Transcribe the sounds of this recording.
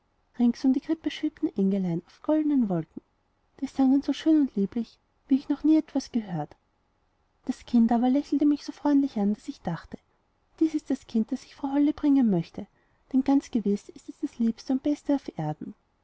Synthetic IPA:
ʁɪŋsʊmdiɡʁɪpəʃɪptn̩ʔɛŋɡəlaɪnɑʊfɡ̥ɔldənənvɔlkŋ̩ | d̥iːsaŋənz̥oʃøːnʊntliːplɪç | viːɪçnɔχniːɛtv̥asɡ̥əɦøːɐt | d̥askʰɪntaːβɐlɛçl̩təmɪçsoːfʁ̥ɔʏntlɪçand̥asɪçd̥aχtə̥ | d̥iːsɪst̚d̥askʰɪnt̚d̥asɪçfʁaʊɦɔləbʁɪŋənmœçtə | d̥ɛnɡ̥ant͡sɡ̥əvɪsɪstɛsd̥asliːpstəʊnt̚b̥ɛstəɑʊfʔeːɐdn̩

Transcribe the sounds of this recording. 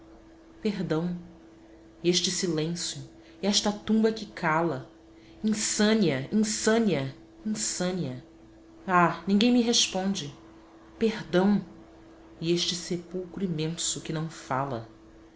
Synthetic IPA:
peɦd̪ɐ̃w̃ | eʃt͡ʃɪsilẽsjʊ | ɛʃt̪ɐt̪ũbɐkɪkʰalɐ | ĩsɐ̃niɐĩsɐ̃niɐ | ĩsɐ̃niɐ | anĩŋɡẽj̃miɦeʃpõd͡ʒɪ | pehd̪ɐ̃w̃ | ieʃt͡ʃɪsepuwkɾʊimẽsʊkɪnɐ̃w̃fa̰lɐ̰

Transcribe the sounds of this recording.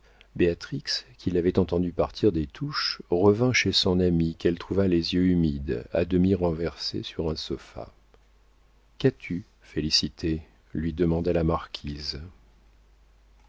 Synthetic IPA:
beat̪χikskʲʰilavɛt̪ɑ̃t̪ɑ̃d̪ypaʁt̪ʰiʁd̪et̪ʰuʃʁəvɛ̃ʃesɔ̃namikɛlt̪χuvalezjøymid̪a̰d̪əmiʁɑ̃vɛʁsḛsyʁɛ̃sɔfa̰ | kat̪ʰy | felisit̪ʰe | lɥid̪əmɑ̃d̪alamaʁkʲʰiz

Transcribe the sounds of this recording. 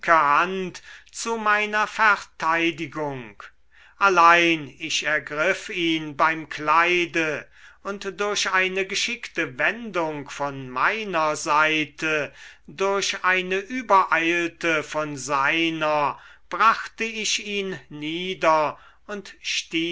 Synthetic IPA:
kəhantt͡sumaɪnɐfɛɐtʰaɪdɪɡʊŋk | ʔalaɪnɪʃɛɐɡʁɪfiːnbaɪmklaɪdə | ʊntd̥ʊɐɕaɪnəɡəʃɪktəvɛndʊŋkfɔnmaɪnɐzaɪtʰədʊɐɕaɪnəʔyːbɐʔaɪltəfɔnzaɪnɐb̥ʁaχtəɪʃiːnːiːdɐ | ʊntʃtiː

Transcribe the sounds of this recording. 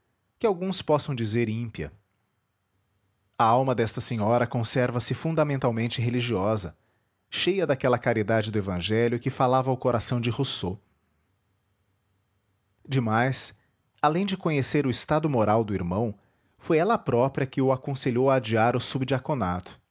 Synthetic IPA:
kɪawɡũspɔsɐ̃w̃d͡ʒizeɾĩpiɐ̰ | ɐawmɐd̪ɛst̪ɐsẽɲɔɾɐkõsɛɾvɐsɪfũnd̪ɐmẽnt̪awmẽnt͡ʃɪɦeliʒiɔzɐ̰ | ʃejɐd̪akɛlɐkaɾid̪ad͡ʒɪd̪ʊevɐ̃ʒɛljʊkɪfalavɐaʊkoɾasɐ̃w̃d͡ʒɪhoso | d͡ʒɪmajs | alẽj̃d͡ʒɪkõɲeseɾʊɪst̪ad̪ʊmoɾawd̪ʊiɾmɐ̃w̃ | fojɛlɐpɾɔpɾiɐkɪʊakõseʎowɐːd͡ʒiaɾʊsubd͡ʒiakonat̪ʊ̥

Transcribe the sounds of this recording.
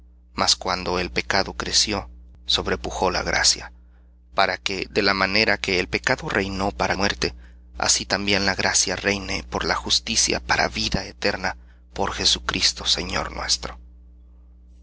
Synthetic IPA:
maskwand̪o̞e̞lpe̞kaðo̞kɾe̞sjo̞ | so̞βɾe̞puxo̞la̰ɣɾa̰sja | paɾake̞ðe̞lamane̞ɾake̞ːlpe̞kaðo̞rejno̞paɾʔamwe̞ɾt̪e̞ | a̰sit̪ambje̞nlaɣɾasjarejnepo̞ɾlaxust̪isja̰paɾa̰βiðaet̪e̞ɾna | po̞ɾxe̞sukɾist̪o̞̥se̞ɲo̞̰ɾnwe̞̰st̪ɾo̞

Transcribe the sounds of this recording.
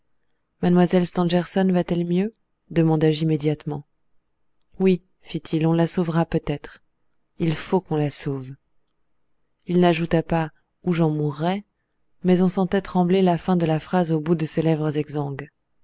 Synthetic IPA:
manmwazɛlst̪ɑ̃ʒɛʁsɔnvat̪ɛlmjø | d̪əmɑ̃d̪aʒimed̪jat̪mɑ̃ | wi | fit̪ʰilɔ̃lasovʁapøt̪ɛt̪χ | ilfokɔ̃lasov | ilnaʒut̪apa | uʒɑ̃muʁːɛ | mɛzɔ̃sɑ̃t̪ɛt̪χɑ̃blelafɛ̃d̪əlafχazobud̪əselɛvʁəzɛɡzɑ̃ɡl

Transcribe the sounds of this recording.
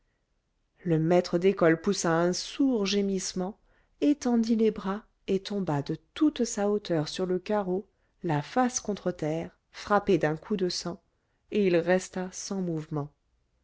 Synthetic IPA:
ləmɛt̪χəd̪ekɔlpusaɛ̃suʁʒemismɑ̃ | et̪ɑ̃d̪ilebʁa | et̪ɔ̃bad̪ət̪ut̪saot̪œʁsyʁləkaʁo | lafaskɔ̃t̪χət̪ɛːʁ | fχaped̪ɛ̃kʰud̪əsɑ̃ | eilʁɛst̪asɑ̃muvmɑ̃

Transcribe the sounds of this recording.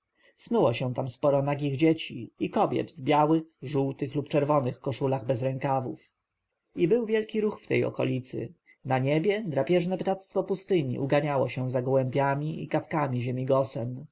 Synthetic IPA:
snuwɔɕɛ̃t̪amspɔɾɔnaɡʲiɣd͡ʑet͡ɕiikɔbʲjɛ̰d̪vbʲjawɘxʐuwt̪ɘxlupt͡ʂɛɾvɔnɘxkɔʂulaɣbɛzɾɛŋkavuf | ibɘwvʲjɛlkʲiɾuxft̪ɛ̰jɔ̰kɔ̰lʲit̪sɘ̰ | naɲebʲjɛd̪ɾapʲjɛʐnɛpt̪at̪st̪fɔpust̪ɘɲḭʔuɡaɲawɔɕɛw̃zaɡɔwɛmpʲjamʲiḭkafkamʲiʑemʲiɡɔsɛm

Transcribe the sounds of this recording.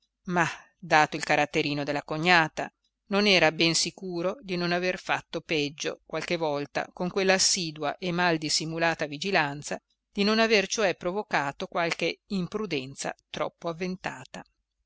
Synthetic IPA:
ma | d̪aːt̪oilkaɾat̪ːeɾiːnod̪elːakoɲːaːt̪a̰ | nonɛːɾabɛnsikuːɾod̪inonaverfat̪ːopɛd͡ʒːo̰kwalk̟evɔlt̪a̰koŋkwelːaːsːiːd̪waʔemːald̪isːimulaːt̪avid͡ʒilant̪sa | d̪̥inonavert͡ʃoɛpːɾovokaːt̪okwalk̟eimpɾud̪ɛnt̪sa̰t̪ɾɔ̰pːoavːent̪aːt̪a

